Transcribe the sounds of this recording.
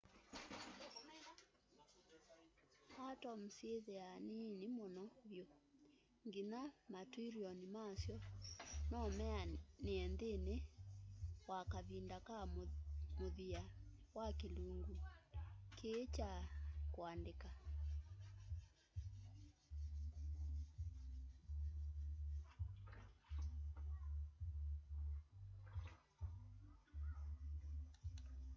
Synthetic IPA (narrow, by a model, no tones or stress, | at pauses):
hatɔm̩seðeanenimɔnɔβjo | ŋɡinamatuiɾiɔnimasjɔnɔmɛaneɛndene | wakaβindaka | moðia | wakeluŋɡu | kʰet͡ʃakoandeka